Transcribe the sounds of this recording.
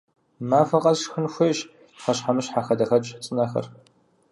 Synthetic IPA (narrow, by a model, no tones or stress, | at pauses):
maːfɐqʼɐzʃxɨnxʷʊɕ | ħɐɕħamɨɕħaxɐdɐxɐbɕħt͡sʼɨnɐxɐ̰r